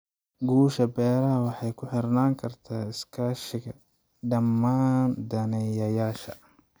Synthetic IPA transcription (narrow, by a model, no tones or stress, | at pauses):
ɡuːʃɐbɛːɾɐɦɐwɑħɑjkʰʊħɪrnaːŋkʰɐrt̪ʰaːɪskʰaːʃɪɣɐ | ɖɐmːaːnd̪ɐnɛjɐjaːʃɐ̰